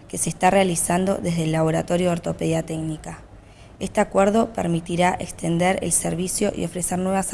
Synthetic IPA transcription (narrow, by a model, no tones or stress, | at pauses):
ke̞se̞ːst̪arealisand̪o̞̰ðezðelːaβ̞o̞ɾat̪o̞ɾjooɾt̪o̞peðjat̪eknika | e̞st̪eakweɾðo̞peɾmit̪iɾaʔekst̪e̞nd̪eɾḛlseɾβisjo̞ʔḭo̞fɾe̞seɾnwe̞β̞as